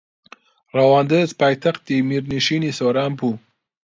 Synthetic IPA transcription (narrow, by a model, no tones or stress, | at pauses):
ɾawɑːnd̪əzpajt̪axt̪̚imiɾniʃinisoɾampʰu